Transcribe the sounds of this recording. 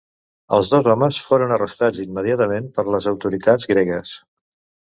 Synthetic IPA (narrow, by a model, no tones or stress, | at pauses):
ə̰lˠzðozɔməsfoɾənərəst̪ad͡zimːəðiat̪əmempəɾləzəwt̪uɾit̪ad͡zɣɾɛɣəs